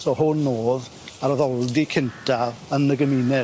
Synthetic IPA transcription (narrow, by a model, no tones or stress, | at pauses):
sohʊnːoːð | aɾɔðɔlˠdikʰɪntʰaənəɡəmiːnɛ